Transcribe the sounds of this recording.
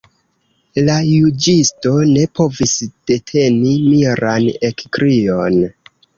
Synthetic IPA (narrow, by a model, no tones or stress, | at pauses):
lajud͡ʒisto̞ne̞pʰo̞visd̥e̞tʰe̞nimiɾʔanekkɾio̞n